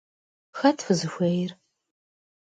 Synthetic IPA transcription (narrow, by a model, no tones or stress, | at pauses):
xɐtʰfɨzɨxʷeːjr